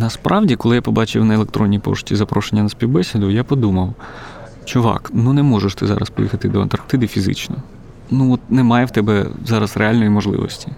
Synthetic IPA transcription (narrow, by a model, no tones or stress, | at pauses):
nɐspɾʔɑwdʲikɔlˠɪjapɔbɑt͡ʃɪwnɐelˠekt̪ɾɔnʲːipɔ̰ʃʊ̥tʲizɐpɾɔʃenʲːɐnɐsʲpʲiwbɛsʲid̪ʊjapɔd̪umɐw | t͡ʃʊʋɑ̰knunɛmɔʒeʃt̪ɪzɑ̰ɾɐ̰spɔjixɐt̪ɪd̪ɔɐnt̪ɐrkt̪ɪd̪ɪfʲizɪ̰t͡ʃnɔ | nuɔt̪̚nɛmɑjɛwt̪ɛbɛzɑɾɐzrʔeɑlʲnɔjimɔʒlˠɪ̰ʋɔ̰sʲtʲi